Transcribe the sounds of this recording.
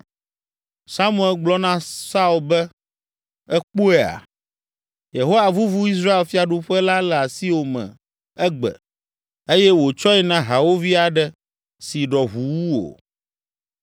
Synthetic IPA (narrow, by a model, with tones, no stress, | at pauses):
sa˦mũ˦˨ɛ˦lɡ͡blɔ˦nã˦sa˦u˨lbɛ˦ | ɛ˦k͡pu˦ɛ˦˨a̰˨ | je˨ɦo˦wa˨vu˦vu˦i˦s̬ɾa˦e˨lfi˦a˨ɖu˦ɸɛ˦la˦lɛ˨a˨si˦wo˨mɛ̰̃˨ | ɛ˦ɡ͡bɛ̰˨ | e˦jɛ˦wo˨t͡ʃɔ˦ɛ˦nã˦ɦa˨wo˦vi˦a˨ɖɛ˦ | si˨ɖɔ˨ɦu˨wu˦o̰˨